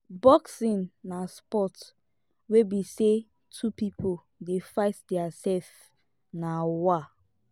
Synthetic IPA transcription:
bɔksĩnːaspɔt | webise | tʰupipʰo | defaɪtdɛasɛf | nawa

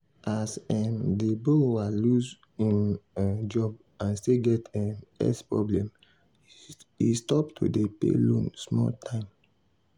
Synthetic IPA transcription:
asɛmdebowalus | ĩnd͡ʒɔb̚ | ãnsteɡɛtɛmɛ̰spɹɔ̰blɛ̃m | istɔptʰṵdepḛlõnsmɔ̰ltʰãɪ̃m

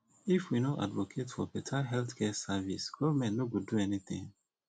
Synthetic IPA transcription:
ifwinoʔa̰dvokʰetfɔpɛtʰaɦɛlθkɛsavisɡ̥ɔvamɛ̃ntnoɡoduɛnit̪ḭ̃ŋ

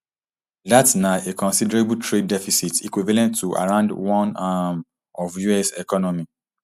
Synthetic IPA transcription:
datsnaekɔ̃nsidɛɹebutɹedːɛfisitikwivalɛ̃ntːuʔa̰ɹãʊ̃ndwɔ̃nam | ɔvjuɛsɛkɔnɔmi

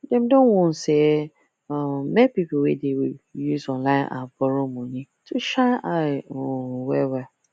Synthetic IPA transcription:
dɛ̃mdõnwɔ̃n̩se | ɔmɛ̃pipowedewijuzɔ̃nlãɪ̃nʔa̰bɔɾomõnĩ | tʰuʃaʔawɛwɛ

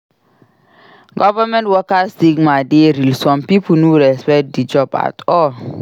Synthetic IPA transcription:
ɡɔvəmɛ̃ntwɔkastiɡmadeɾilsɔ̃mpipunuɾɛspɛkt̚did͡ʒɔba̰tɔl

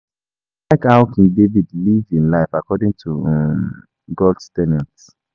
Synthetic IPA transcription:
laɪkhaʊkʰĩŋdevidlivĩnlaɪfakʰɔdĩŋtʰuɛm | ɡɔldtɛnɛ̃nt

